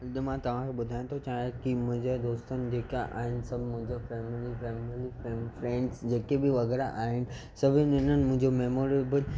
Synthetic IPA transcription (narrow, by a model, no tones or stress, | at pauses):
ɪɗmãt̪ɐʋ̤ãkʰeɓʊd̪ʱaːj̃õt̪ʰot͡ɕaːakimʊ̃ɦɪ̃ɲd͡ʑad̪oːst̪ənɪ̆d͡ʑeːkaʔaːɦɪnɪ̆sɐbʱmʊ̃ɦɪ̃ɲd͡ʑofɛːmɪlifɛːmilifepɾẽːɳɖsd͡ʑeːkebɪʋɐɣɛːɾaʔaːɦɪnɪ̆ | sɐbʱɪnɪnənɪ̆mʊ̃ɦɪ̃ɲd͡ʑomeːmoːɾebəl